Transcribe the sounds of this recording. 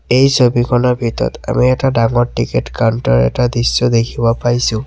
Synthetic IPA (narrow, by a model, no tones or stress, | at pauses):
ejsobikʰɔnɔɹbʱitɔɔ̰ta̰miɛtadaŋɔɹtiketkawntɔɹɛ̰tadisːɔd̪ekʰibɔpajsʊ̃